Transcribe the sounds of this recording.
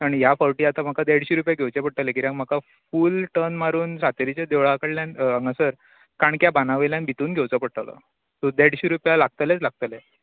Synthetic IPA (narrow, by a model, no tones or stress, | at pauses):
aɳ̃ijafəɾʈiːat̪am̤akad̪eɽɕiɾupjaɡʱewt͡ɕepəɽʈ̪alekiɾjãkm̤aka | fuːlʈənmaɾuːnsat̪əɾit͡ɕed̪eʋɭakəɽljãnãŋɡasəɾ | kaɳkjabanaʋeljanbʱit̪uːnɡʱewt͡səpəɽʈ̪alə̰ | t̪ud̪eɽɕiɾupjalaɡ̚t̪alet͡slaɡ̚t̪əle